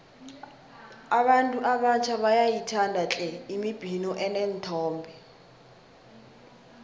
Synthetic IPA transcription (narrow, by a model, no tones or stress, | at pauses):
aɓantʼuʔaɓat͡ʃʰaɓajajitʰandʱat͡ɬʼɛimib̥ʱinɔʔɛnɛntʰɔːmbʱɛ